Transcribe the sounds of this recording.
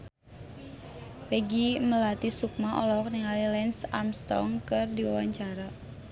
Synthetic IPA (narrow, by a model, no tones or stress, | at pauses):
pɛɡiməlat̪isuk̚maʔɔlɔkniŋalilɛnsa̰rmst̪ɔ̰ŋkɨrdiwa̰waɲt͡ʃaɾa